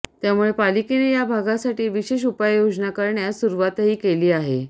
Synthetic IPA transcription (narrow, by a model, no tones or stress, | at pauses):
t̪jamuɭepalikenejabʱaɡasaʈiːʋiɕeɕ̬upajjod͡znakəɾɳjasuɾuʋat̪ɦiːkeliːaɦḛ